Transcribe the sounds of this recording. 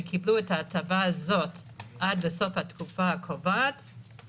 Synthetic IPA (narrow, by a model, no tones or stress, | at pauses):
kʰibluɛtaːtʰavaːzo̞tʔad̚beso̞fhatkufaakʰovat